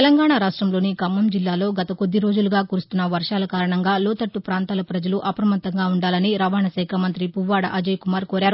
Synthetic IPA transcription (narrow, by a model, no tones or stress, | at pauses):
elɐŋɡaːɳaɾaːʂʈɾɐmlo̞ːnikɐmːɐmd͡ʒilːaːlo̞ːɡɐt̪ɐko̞d̪ːiɾo̞ːd͡ʒuluɡaːkuɾust̪unːɐʋɐɾʂaːlɐkaːɾɐɳɐŋɡaːlɔːt̪ɐʈːupɾaːnt̪aːlɐpɾɐd͡ʒɐluʔɐpɾɐmɐt̪ːɐŋɡaːuɳɖaːlɐniɾɐʋaːɳɐsɐjkʰɐmɐnt̪ɾipuʋːaːɽɐ̰ʔɐd͡ʒɐjkumaːɾkoːɾaːɾu